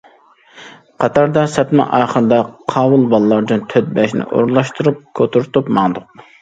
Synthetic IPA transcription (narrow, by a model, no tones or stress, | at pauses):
qʰɑt̪ʰɑɾd̪ɑsɛt̪mɨ̰ʔɑːχəɾd̪ɑqʰɑːwulˠbɑlˠlˠɑɾd̪ɨnt̪ʰøt̪̚bɛʃnɪ̰ʔo̰ɾlˠɑʃt̪uɾup̚kʰot̪ʰuɾt̪upmɑŋd̪ʊq̚